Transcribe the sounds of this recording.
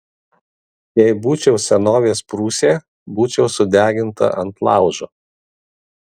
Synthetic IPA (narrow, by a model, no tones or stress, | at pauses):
jɛɪbuːt͡ʃʲɛʊsʲɛnoːʋʲeːspɾuːsʲeː | buːt͡ʃʲɛʊsʊd̪ʲæːɡʲɪnt̪ɐ̰ʔɐnt̪lˠɑˑʊʒoː